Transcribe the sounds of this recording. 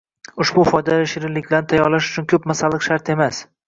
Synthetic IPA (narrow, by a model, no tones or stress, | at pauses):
ʊʃbʊfɒjd̪alaʃɪɾɪlːɪkʲlaɾnɪt̪ʰajɒɾlaʃʊt͡ʃʰʊnkʲʰɵpmasalˠːɨqʃaɾt̪ʰe̞mas